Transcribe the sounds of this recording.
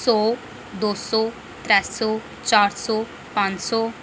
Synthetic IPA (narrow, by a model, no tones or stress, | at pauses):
sɔː | d̪osɔ | t̪ɾɛssɔ | t͡ʃaːɾsɔ | pãnd͡ʒsɔ